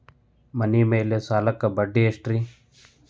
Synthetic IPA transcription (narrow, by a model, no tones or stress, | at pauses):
mɐniːmeːlesaːləkːɐbəɖːiesʈɾiː